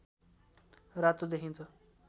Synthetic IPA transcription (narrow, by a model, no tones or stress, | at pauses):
rat̪od̪ekʰint͡sʰʌ